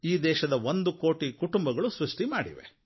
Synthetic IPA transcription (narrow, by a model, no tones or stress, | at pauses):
iːd̪ɛːʃɐd̪ɐʋond̪uko̞ːʈikuʈumbɐɡɐɭusɾuʂʈimaːɽḭʋḛ